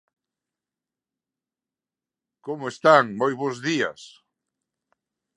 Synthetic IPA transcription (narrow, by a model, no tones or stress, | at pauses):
komoest̪aŋmojβozðiɐ̰s